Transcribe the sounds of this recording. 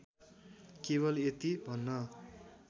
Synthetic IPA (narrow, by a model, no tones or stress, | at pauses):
keβʌlet̪ibʱʌnːʌ